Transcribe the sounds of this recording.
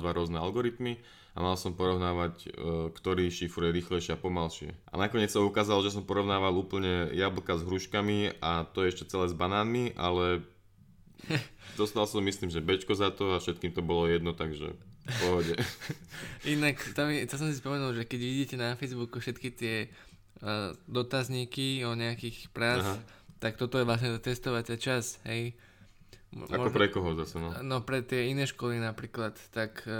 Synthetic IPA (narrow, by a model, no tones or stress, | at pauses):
d̪ʋaɾʊɔznɛalɡɔɾit̪mi | a̰malsɔmpɔɾɔʊnaːʋackt̪ɔɾiːʃifɾujɛɾiːxlɛɪʃɪɛapɔmalʃɪɛ̰ʔa̰nakɔɲɛt͡ssaukaːzalɔʒɛs̬ɔmpɔɾɔʊnaːʋaluːpl̩ɲɛjabl̩kazɦɾuːʃkamiat̪ɔjɛɛʃcɛt͡sɛlɛːzbanaːnmiʔa̰lɛ | d̪ɔst̪alsɔmisliːmʒɛbɛt͡ʃkɔzat̪ɔafʃɛt̪kiːmt̪ɔbɔlɔjɛd̪nɔt̪aɡʒɛ̰pɔɦɔɟɛ | inakt̪amit̪as̬ɔ̃msispɔmɛnulʒɛkɛɟʋiɟiːcɛnafɛjzbukufʃɛt̪kit̪ɪɛ | d̪ɔt̪azɲikiɔɲɛakixpɾaːt͡sɦ | t̪ak̚t̪ɔt̪ɔjɛʋlas̬ɲɛt̪at̪ɛst̪ɔʋatat͡ʃasɦɛj | ma̰mɔɔpɾɛkɔɦɔzasɛnɔnɔpɾɛt̪ɪɛinɛːʃkɔlinapɾiːklat̪ːak